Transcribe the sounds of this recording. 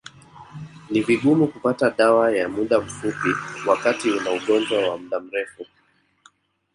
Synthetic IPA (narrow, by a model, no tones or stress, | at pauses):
niviɠumukupataɗawajamuɗam̩fupiwakatiunauɠɔnd͡ʒwawam̩ɗam̩ɾɛfu